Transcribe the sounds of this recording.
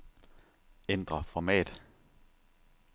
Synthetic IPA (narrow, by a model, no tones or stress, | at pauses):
end̥ʁɐfɒmɛ̰ːd̥